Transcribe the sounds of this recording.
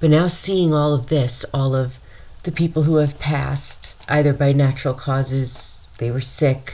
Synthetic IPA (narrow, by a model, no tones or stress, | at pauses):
b̥ʌtⁿnaʊsiɪ̃ŋɔlˠʌvðɪsɔlˠʌv | ðɨpʰipl̩ˠɦuɨv̥pʰæ̰stʔa̰ɪðə˞baɪnæt͡ʃɹl̩ˠkʰɔzɪz | ðeɪwə˞sɪk